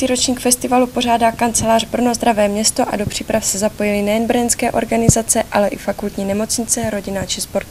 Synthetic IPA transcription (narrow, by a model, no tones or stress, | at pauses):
iːɾo̞t͡ʃɲiːkfɛst̪ɪvalupo̞r̝aːdaːkant͡sɛlaːrbr̩nozd̪ɾavɛːmɲɛst̪o̞ʔa̰dopr̝̥iːpɾafsɛzapo̞jɪlɪnɛjɛnbr̩ɲɛnskɛːʔo̞̰ɾɡanɪzat͡sɛʔalɛʔɪfakult̪ɲiːnɛmo̞t͡sɲɪt͡sɛɾo̞ɟɪnat͡ʃɪspo̞ɾt̪